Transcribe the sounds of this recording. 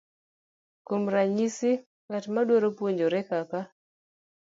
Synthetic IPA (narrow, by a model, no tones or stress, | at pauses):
komɾaɲisi | ŋatmadwoɾopwoɲd͡ʒoɾɛkaka